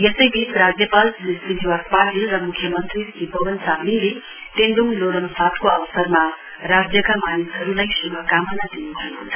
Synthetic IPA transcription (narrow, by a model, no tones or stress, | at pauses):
jesʌjbʱitɾad͡zjʌpalnismid̪ʱiwakpaʈilɾʌmukʰjʌmʌnt̪ɾikibʌbʌnsaminle | t̪end̪uŋloɽʌmsatkoʌwsʌɾma | ɾad͡zjʌkamanisɦʌɾulajsubʱakamʌnad̪inubʱʌekot͡sʰʌ